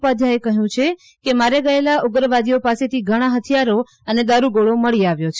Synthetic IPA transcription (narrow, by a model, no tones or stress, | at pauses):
pad̪ʱjaekəɦjũt͡ʃʰe | kemaɾeɡəelaʔuɡɾəʋad̪ijopaset̪ʰiɡʱəɽ̃aɦət̪ʰijaɾo | əned̪aɾuɡoɭoməɭiaʋjot͡ʃʰ